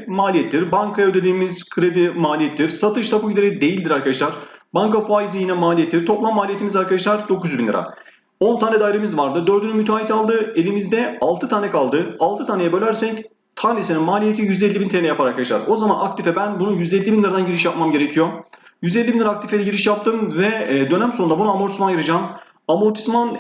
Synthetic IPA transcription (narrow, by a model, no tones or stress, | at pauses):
maːlʲijɛt̪ʰːiɾbaŋkʰajaød̪e̞d̪iːmiz̥kʰɾed̪imaːlʲijɛt̪ʰːiɾ̥sat̪ʰɯʃt̪ʰabuid̪ʲeɾɛd̪e̞jilʲd̪iɾaɾkʰad̪aʃlˠaɾ̥baŋkafaizijinamaːlʲijɛt̪ʰːiɾ̥t̪ʰo̞plˠamːaːlʲijet̪imizaɾkad̪aʃlˠaɾd̪o̞kuzbinlʲḭɾa̰ | o̞nt̪ʰaːnɛd̪aːjiɾemizvaɾd̪ɯd̪ø̞ɾd̪ynymyt̪ʰaːit̪ʰalˠd̪ɯe̞lʲimizd̪ɛalˠt̪ɯt̪ʰaːnʲɛkʰalˠd̪ɯalˠt̪ɯt̪ʰanejɛbølʲæɾsɛc | t̪ʰanʲiseninmaːlʲijet̪ʰijyzɛlʲːibint̪ʰenɛjapaɾaɾkʰad̪aʃlˠa̰ɾo̞zamanakt̪ifɛbænbunujyzɛlʲːibinlʲˠiɾad̪anɟiɾiʃjapmamɟe̞ɾecʰijo | jyzɛlʲːibinʲiɾaːkt̪ifed̪ʲɛɟiɾiʃjap̚t̪ʰɯmvɛd̪ø̞næmso̞nunabunaːmoɾt̪simanjiɾɯd͡ʒaːm | amuɾt̪ʰi̥sman